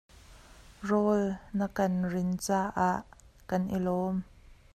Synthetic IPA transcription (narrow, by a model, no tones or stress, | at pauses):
rɔːlnəkɐnrɪnt͡saːʔaːʔ | kɐnʔḭlɔːm